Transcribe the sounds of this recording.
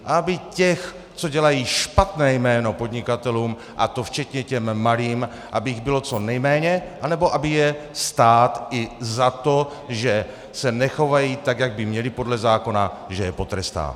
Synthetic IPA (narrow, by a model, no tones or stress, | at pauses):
ʔaabɪcɛx | t͡so̞ɟɛlajiːʃpat̪nɛːjmɛːno̞po̞d̪ɲɪkat̪ɛluːm | ʔa̰t̪o̞ft͡ʃɛt̪ɲɛcɛmːaliːm | ʔabɪjɪɣbɪlo̞t͡so̞nɛjmɛːɲɛʔanɛboʔabɪjɛst̪aːt̪ɪzat̪o̞ | ʒɛ | sɛnɛxo̞vajiːt̪aɡjaɡ̚bɪmɲɛlɪpo̞dlɛzaːko̞naʒɛjɛpo̞t̪ɾɛst̪a̰ː